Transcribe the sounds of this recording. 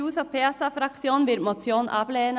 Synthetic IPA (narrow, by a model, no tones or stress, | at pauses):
uːsopʰeːɑsɑfɾɑksɪoːnʋɪɾmʊt̪sjoːnʔɑ̰ːpleeːn